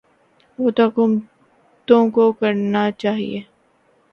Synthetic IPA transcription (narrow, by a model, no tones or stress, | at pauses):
ʋoːt̪okʊm | t̪õkokɐɾnat͡ʃaːɦḭeː